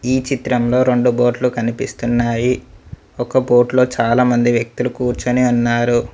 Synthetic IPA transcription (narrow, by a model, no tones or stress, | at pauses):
iːt͡ʃit̪ɾɐmlo̞ːɾe̞ɳɖubo̞ːʈlukɐnipist̪unːaːji | ɔkɐbo̞ːʈlo̞ːt͡ʃaːlaːmɐnd̪iʋjɐk̚t̪ulukuːɾt͡ʃɐneːunːaːɾu